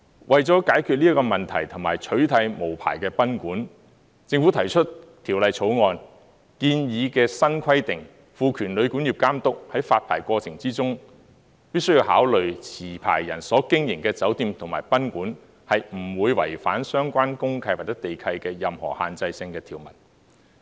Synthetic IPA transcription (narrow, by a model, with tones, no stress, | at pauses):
wʔɐ˨jt͡sɔː˨˥kaː˨˥jkʰy˧liː˥kɔː˧mɐ˨˩nt̪ʰɐ̰˨˩jt̪ʰʊ˨˩ŋmaː˨˩jt͡ʃʰɵ˨˥ɥt̪ʰɐ˧jmo˨˩wpʰa̰ː˨˩jkɛː˧pɐ˥nkuː˨˥n | t͡sɪ˧ŋfuː˨˥t̪ʰɐ˨˩jt͡ʃʰɵ˥tt̪ʰiː˨˩wlɐ˨jt͡sʰo˨˧˥wŋɔː˧n | kiː˧njiː˨˧kɛː˧sɐ˥nkʰɐ˥jt̪ɪ˨ŋ | fuː˨˧kʰyː˨˩nlɵ˨˧ɥkuː˨˥njiː˨˩p̚kaː˥mt̪ʊ˥k̚hɐ˨˥jfaː˧t̚pʰa̰ː˨˩jkʷɔː˧t͡sʰɪ˨˩ŋt͡siː˥t͡sʊ˥ŋ | piː˥sɵ˥ɥji˧ha̰ː˨˥wlɵ˨ɥt͡sʰiː˨˩pʰa̰ː˨˩jjɐ˨˩nsɔː˨˥kɪ˥ŋjɪ˨˩ŋkɛː˧t͡sɐ˨˥wt̪iː˧mt̪ʰʊ˨˩ŋmaː˨˩jpɐ˥nkuː˨˥n | hɐ˨jm̩˨˩wuː˨˧jwɐ̰˨˩jfa̰ː˨˥nsœː˥ŋkʷaː˥nkʊ˥ŋkʰɐ˧jwaː˨t̚t͡sːɛ˨˥t̪e˨jkʰɐ˧jkɛː˧jɐ˨mhɔ̰ː˨˩ha̰ː˨nt͡sɐ˧jsɪ˧ŋkɛː˧t̪ʰiː˨˩wmɐ̰˨˩t̚